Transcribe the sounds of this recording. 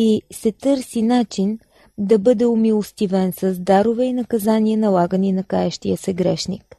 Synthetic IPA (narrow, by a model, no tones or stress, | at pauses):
isɛt̪ɤɾsinat͡ʃin | d̪ɐbɤd̪ɛʊmilˠost̪ivɛnsɐzd̪aɾʊvɛinɐkɐzaniənɐlˠaɡəninɐkaɛʃt̪iəsɛɡɾɛʃnḭk